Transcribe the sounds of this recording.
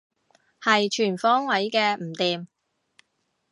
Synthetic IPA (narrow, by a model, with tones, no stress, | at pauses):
hɐ˨jt͡ʃʰyː˨˩nfɔː˥ŋwɐ˨˥jkɛː˧m̩˨˩t̪iː˨m